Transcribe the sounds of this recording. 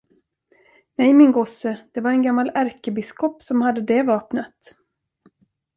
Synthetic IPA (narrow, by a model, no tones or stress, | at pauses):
nɛjmɪnɡɔsəd̪̥ɛvaɾɛnɡamːalæɾkəbɪskɔpsɔmhad̪ːəd̪ɛvɑːpnət̪